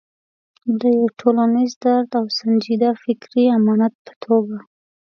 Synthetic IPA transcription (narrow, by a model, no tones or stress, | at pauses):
d̪əjawʈʰolanizd̪aɾt̪awsand͡ʒid̪afɪkɾiamɑnat̪̚pə̥t̪ʰoɡa